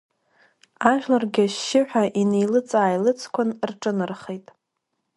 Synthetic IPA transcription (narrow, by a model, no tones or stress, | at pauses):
aʒᶣlarɡʲaʃːɪħʷᶣaʔine̞jlɨt͡sʼaːjlɨt͡sʰkʷʰʊnrʈ͡ʂʼɨnɨrχejtʼ